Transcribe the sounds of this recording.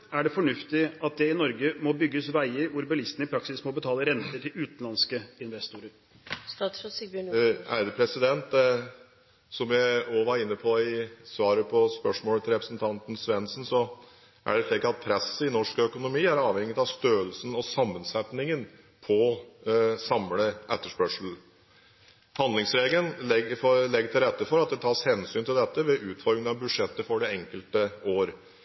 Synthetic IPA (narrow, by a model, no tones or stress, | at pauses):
æɖɛfɔɳʉft̪ɪɑt̪̚d̪ɛɪnɔɾɡəmɔbʏɡːəsʋæɪəɾʋʊɾbɑlɪst̪n̩ɪpʰɾɑksɪsmɔbət̪ʰɑːləɾɛnt̪əʈʰɪlʉːt̪nlɑnskəɪnʋɛst̪ʊɾəɾ | æ̰d̪əpʰɾɛsɪd̪ɛnt̪ | sɔmjæɪɔʋɑɾɪnːəpʰɔɪsʋɑːɾəpʰɔspœʂmoːlət̪ʰɪlɾɛpɾəsənt̪ʰɑnt̪n̩sʋɛnsn̩sɔ | ʔæ̰ɖɛʂɭiːkɑt̪̚pʰɾɛsəɪnɔʂkœkʊnʊmiːæɾɑːʋhɛŋːɪt̪ɑʋst̪øːəlsn̩ɔsɑmːənsɛt̪nɪŋən | pʰɔ | sɑmləʔɛt̪ːəʂpœʂl̩ | hɑnd̪lɪŋsɾeːɡlənɛɡɔlɛɡːəʈ̪ʰɪlɾɛt̪ːəfɔɾɑt̪̚d̪ɛt̪ʰɑːʂhɛnsyːnt̪ɪld̪ɛt̪ːəʋɛʔʉːt̪fɔɾɪənɑʋbʉʂɛt̪ːəfɔɖɛɛŋkəlt̪əoːɾ